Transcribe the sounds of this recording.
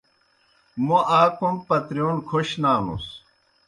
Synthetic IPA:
muaːkumpɐt̪ɾjoːnkʰoɕnaːnṵs

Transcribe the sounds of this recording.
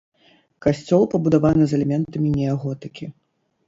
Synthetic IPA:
kasʲt͡sʲɔlˠpɐbud̪avanɨzɐlʲɛmʲɛnt̪ɐmʲinʲɛaɣɔt̪ɨkʲi

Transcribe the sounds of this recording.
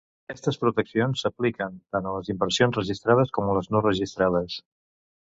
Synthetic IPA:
əkɛst̪əspɾut̪əksionsːəplikənt̪anələzimbəɾsionzrəʒist̪ɾað̞əskɔmələznorəʒist̪ɾaðəs

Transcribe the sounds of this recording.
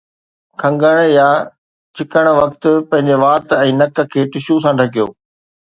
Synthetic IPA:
kʰɐ̃ŋɡəɽ̃ja | t͡ɕɪkəɽ̃̆ʋɐkt̪̆pɐ̃ɦɪ̃ɲd͡ʑeʋaːt̪ɛ̃ːnɐkə̆kʰeːʈɪʃus̬ãːʈɐkijo̰ː

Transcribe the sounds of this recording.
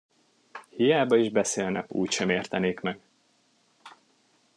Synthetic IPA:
hijaːbɒiʒbɛseːlnɛ̰kṵːcʃɛmeːrt̪ɛneːkmɛɡ̥

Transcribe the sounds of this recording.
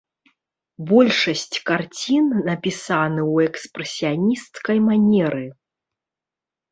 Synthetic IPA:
bɔlʲʂɐsʲt͡sʲkart͡sʲinːɐpʲisanɨwɛkspɾɛsʲijanʲist̪kɐjmanʲɛɾɨ

